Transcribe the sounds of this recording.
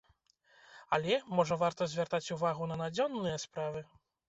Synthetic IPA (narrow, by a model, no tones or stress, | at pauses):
alʲɛmɔʐɐvart̪ɐzʲvʲart̪at͡sʲuvaɣunɐnad͡zʲɔnːɨjɛspɾavɨ